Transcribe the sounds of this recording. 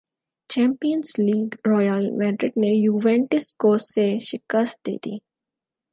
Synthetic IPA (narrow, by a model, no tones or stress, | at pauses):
t͡ʃɛ̃ːmpijənzliːɡɾɔːjəlmɛːɖɾɪɖnejuːʋẽːɳʈɪskoːseʃɪkəst̪̚d̪ḛːd̪ḭː